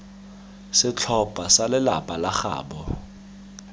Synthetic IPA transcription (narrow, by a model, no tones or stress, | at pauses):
sɪt͡ɬʰɔpʼasalɪla̰pʼalaxa̰ːɓɔ